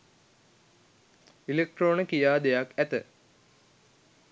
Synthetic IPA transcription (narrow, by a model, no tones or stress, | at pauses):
ilek̚ʈroːnəkijaːd̪ejakæt̪ə